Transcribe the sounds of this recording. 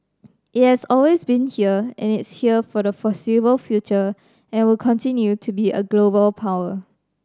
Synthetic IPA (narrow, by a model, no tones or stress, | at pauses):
ʔɪt̚hɛsɔlwesbĩnhiəɛ̰̃nɪtshiəfɔdəfɔsibəlfjut͡ʃə | ɛ̃nwɪlkʰɔ̃ntĩnjutʰubiə̰ɡlobəlpʰaʊwə